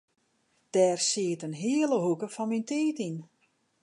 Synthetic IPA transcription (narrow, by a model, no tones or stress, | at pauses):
d̥ɛːrsiətənɦiələɦukəfɔnminteːtin